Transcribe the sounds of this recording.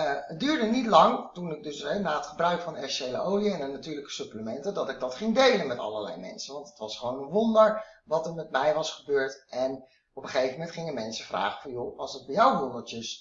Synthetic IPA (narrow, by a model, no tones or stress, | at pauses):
ət̚dyːɹdənitlɑŋtunɪɡ̚dɵsɛnaːətχəbrœɥkfɑnɛɹʃejlə̰owliɛnənatyːɹləkə̥sɵpləmɛntədɑtɪɡ̚dɑtχɪŋdejlənmɛtɑ̰ləlɛ̰jmɛ̰nsənʋɑntətʋɑsχəʋownənʋɔndəɹʋɑtəɹmɛtmɛjʋɑsχəbøːɹtʔɛn | ɔpəχejvəmɛntχɪŋəmɛnsəvra̰ːχəvɑnjoɑlˠsət̚bɛjawʋondəɹtəs